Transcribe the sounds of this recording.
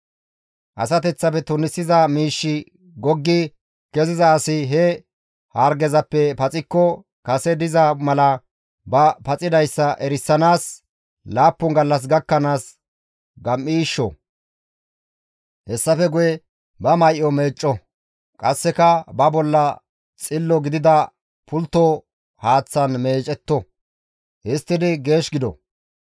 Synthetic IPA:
ʔɐ̰sɐt̪ɛt͡sːɐfɛt̪ʊnɪsːɪzɐmiːʃːɪ | ɡɔɡːɪ | kɛzɪzɐːsɪɦɛ | haːɾɡɛzɐpːɛpɐt͡sʼɪkːɔ | kɐsɛd̪ɪzɐmɐlɐ | bɐpɐt͡sʼɪd̪ɐjsːɐʔɛɾɪsːɐnaːs | laːpːʊŋɡɐlːɐs̬ɡɐkːɐnaːs | ɡɐmːiːʃːɔ̰ | hɛsːɐfɛɡʊjɛ | bɐmɐjʔɔmeːt͡ʃʼːɔ | kʼɐsːɛkɐbɐbɔlːɐ | t͡sʼɪlːɔɡɪd̪ɪd̪ɐ | pʊlt̪ːɔ | haːt͡sːɐnme̞ːt͡ʃʼɛt̪ːɔ | hɪst̪ːɪd̪ɪɡe̞ːʃɡɪd̪ɔ̰

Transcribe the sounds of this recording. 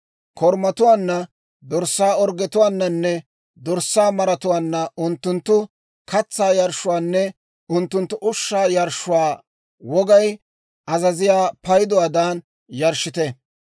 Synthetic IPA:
kʰɔɾmɐt̪ʊwaːnːɐ | d̪ɔɾsːaːɔɾɡɛt̪ʊwaːnːɐnːɛ | d̪ɔɾsːaːmɐɾɐt̪ʊwaːnːɐʔʊnt̪ːʊnt̪ːʊ | kɐt͡sːaːjɐɾʃʊwaːnːɛ | ʊnt̪ːʊnt̪ːʊʔʊʃːaːjɐɾʃːʊwaː | wɔɡɐj | ʔɐzɐzɪjaːpɐjɪd̪ɔwaːd̪aːn | jɐɾʃɪt̪ɛ

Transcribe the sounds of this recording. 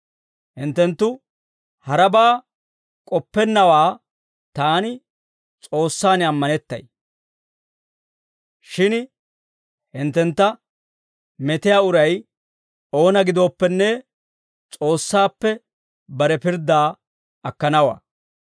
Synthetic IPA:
hɪnt̪ːɛnt̪ːʊ | hɐɾɐbaː | kʼɔpːɛnːɐwaː | t̪aːnɪ | t͡sʼo̞ːsːaːnɪɐmːɐnɛt̪ːɐ̰j | ʃɪn | hɪnt̪ːɛnt̪ːɐ | mɛt̪ɪjaːʊɾɐj | o̞ːnɐɡɪd̪o̞ːpːɛnːɛ | t͡sʼo̞ːsːaːpːɛ | bɐɾɛpɪɾd̪aː | ɐkːɐnɐwa̰ː

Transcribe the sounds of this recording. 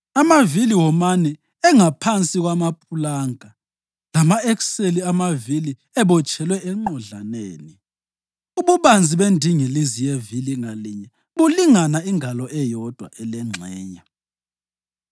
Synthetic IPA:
amaviliwɔmanɛ | ɛŋapʰant͡sʼiɣwamapʰulaŋa | lamaɛkseliamavili | ɛβɔt͡ʃʼɛlwɛɛŋ͡ǃɔɮaneːni | uβuβand͡zʱiβendʱiŋilizijeviliŋaliɲɛ | βuliŋanaiŋʱalɔɛjɔd̥ʱwa̰ʔɛlɛŋ͡ǁʱɛːɲa

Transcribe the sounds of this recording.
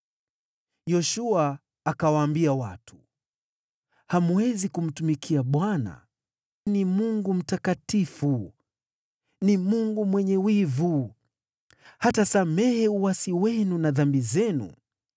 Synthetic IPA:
jɔʃuaː | kawaːmbiawatʰu̥ | hamuwɛzikum̩tumikʰiaɓwana̰ | nimuŋɡum̩takatifu | nimuŋɡumwɛɲɛwivu | hatasamɛhɛuwasiwɛnunaðambizɛnṵ

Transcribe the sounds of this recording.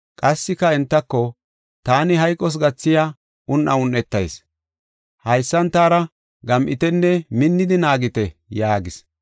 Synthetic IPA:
kʼɐsːɪkːɐɛnt̪ːɐkːɔ | t̪aːnɪɦɐjkʼːɔs̬ɡɐt͡sːɪjaː | ʊnʔɐʊnːɛt̪ːɐjs | hɐjsːɐnt̪aːɾɐ | ɡɐmʔɪt̪ɛnːɛmɪnːɪd̪ɪnaːɡɪt̪ɛjaːɡɪs

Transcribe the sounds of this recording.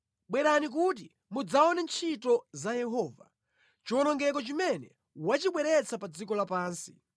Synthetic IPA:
ɓwɛɾanik̬ut̬i | mud͡zaɔnɛnt͡ʃʰitɔzajɛɦɔːva̰ | t͡ʃiɔnɔŋɡɛk̬ɔt͡ʃimɛnɛ | wat͡ʃiɓwɛɾɛt͡sʰapad͡zik̬ɔlapaːnsi̥

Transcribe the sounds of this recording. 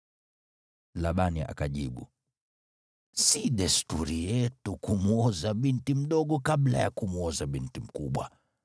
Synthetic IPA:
laɓania̰kaʄiɓṵ | siɗɛstuɾijɛtukumuɔzaɓintim̩ɗɔɠɔkaɓla̰jakumuɔzaɓintim̩kuɓwa̰

